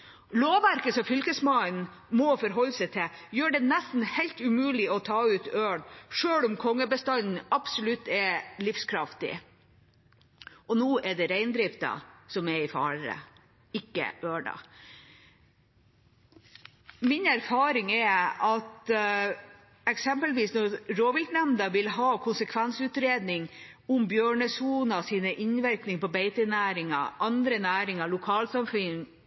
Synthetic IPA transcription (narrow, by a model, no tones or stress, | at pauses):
loːʋæɾkəsɔfʏlkəsmɑn | mɔfɔɾɦɔlːsɛɪt̪ʰɪjøːɖɛnæst̪n̩hɛɪlt̪ʉmʉːlɪɔt̪ʰɑːʉːt̪øːɳʂøːlʊmkʰɔŋːəbəst̪ɑnn̩ɑbsɔlʉt̪ːɛlɪfskʰɾɑft̪ɪ̰ | ɔnuːʔɛɖɛɾæɪnd̪ɾɪft̪ɑ̰sɔmɛɪfɑ̰ːɾɾə̰ | ɪkːə̰øːɳɑ̰ | mɪnæɾfɑːɾɪŋɛɑt̪ | ɛksɛmpəlʋiːsnɔɾɾoːʋɪlt̪nɛmd̪ɑʋɪlɦɑːkʰʊnsəkʰʋɛnsʉːt̪ɾeːd̪nɪŋ | ʊmbjøːɳəsuːnɑsiːnəʔɪɲʋæɾknɪŋpɔbɛɪt̪ənæːɾɪŋɑ̰ʔɑnd̪ɾənæːɾɪŋɑlʊkʰɑːlsɑmfʏŋ